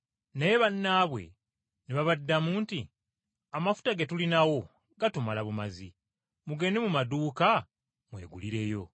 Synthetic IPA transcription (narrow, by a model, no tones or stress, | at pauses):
naje̞βanːaːβwe̞̰ | neβaβadːamuːnti | amafu̥taɡetulinawo̞ | ɡatumalaβumazḭ | muɡe̞ne̞mumaduːka | mwe̞̰ːɡṵliɾe̞ːjo̞